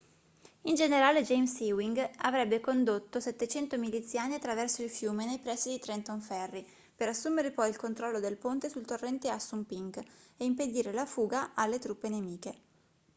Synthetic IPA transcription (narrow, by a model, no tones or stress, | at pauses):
ind͡ʒeneɾaːled͡ʒejmsiwiŋɡavɾɛbːekond̪ot̪ːosɛt̪ːet͡ʃɛnt̪omilit̪sːjaːniat̪ːɾavɛrsoilfjuːmenejpɾɛsːid̪it̪ɾɛnt̪oɱfɛrːi | peɾasːuːmeɾepɔjilkont̪ɾɔlːod̪elpont̪esult̪orːɛnt̪easːumpiŋɡeimped̪iːɾelafuːɡaʔalːet̪ɾupːenemiːke